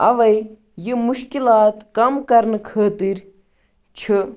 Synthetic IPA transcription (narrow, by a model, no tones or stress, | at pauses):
ɐʋɐj | jɨmuʃkilaːt̪kɐmkɐɾnɨkʰɐːt̪iɾ | t͡ʃʰɨ